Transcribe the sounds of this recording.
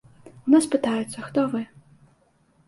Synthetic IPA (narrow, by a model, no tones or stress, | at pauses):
unaspɨt̪ajɛt̪sːɐxt̪ɔvɨ